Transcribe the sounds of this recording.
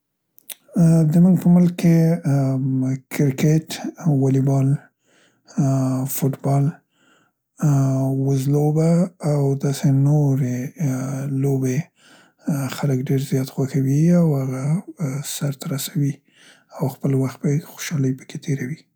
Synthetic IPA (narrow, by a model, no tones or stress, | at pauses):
d̪əmuŋɡpəmʊlkːe | kɪɾkeʈwɑlibɑl | fuʈbɑl | wəzlobaːwd̪ɑsenoɾe | lobe | xaləkɖeɾzjɑt̪xwaxawiawhaɣasaɾt̪aɾasawi | awxpəlwaxt̪̚bajxo̥ʃɑləjpə̥ket̪ʰeɾawi